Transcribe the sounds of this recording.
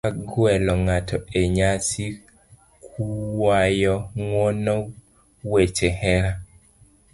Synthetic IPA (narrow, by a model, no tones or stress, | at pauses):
aɡwɛlɔŋatʰɔeɲasi | kʰuwajɔŋwonɔ | wet͡ʃehɛɾa